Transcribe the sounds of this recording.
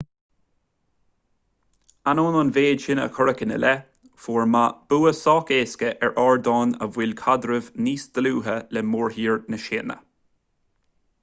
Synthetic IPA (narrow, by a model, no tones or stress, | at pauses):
anoːnɔnveːdʃɪnə̰kʰɔɹəkənə̰lɛ | foːɹmab̥uːəsɑːkeːskəʔɛɹʔɑːɹd̪ɑːnə̰vwɪlkʰad̪ɾəvniːsd̪̥əluːɦəlɛmoːɹɦiːɹnəʃeːnə̰